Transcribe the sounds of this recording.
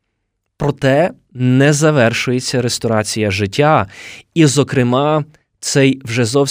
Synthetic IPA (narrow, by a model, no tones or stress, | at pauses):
pɾɔt̪ɛ | nɛzɐʋɛrʃʊjet͡sʲːɐɾest̪ɔɾɑt͡sʲijɐʒɪtʲːaizɔkɾɪmɑ | t̪sɛjwʒɛzɔw